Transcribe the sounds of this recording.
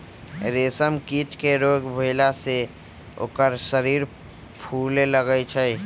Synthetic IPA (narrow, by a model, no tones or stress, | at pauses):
ɾeːsəmkiːʈkeɾoːɡbʱoɪlase | o̰ːkəɾsəɾiːɾ | pʰuːleləɡəjt͡ʃʰəj